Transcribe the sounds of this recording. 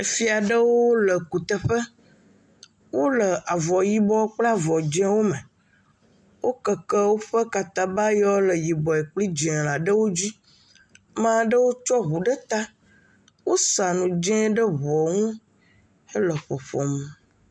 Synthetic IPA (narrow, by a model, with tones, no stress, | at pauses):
e˨fi˦a˨ɖə˦wo˦lə˨ku˨t̪ə˨ɸə˦ | wo˦lə˨a˨vɔ˨ji˦bɔ˦k͡pla˦vɔ˨d͡ʒɛ̃˦wo˦mə̃˨ | wo˦kə˨kə˦wo˦ɸə˦ka˨t̪a˦ba˦jɔ˦lə˨ji˨bɔ˨e˨k͡pli˦d͡ʒɛ̃˨la˨ɖə˦wo˦d͡ʑi˦ | mã˦ɖə˦wo˦t͡ʃɔ˦βu˨ɖə˦t̪a˦ | wo˦sa˨nũ˨d͡ʒɛ̃˦ɖə˦βɔ˨ŋũ˦ | e˦lə˨ɸɔ˨ɸɔ̰˨mə˨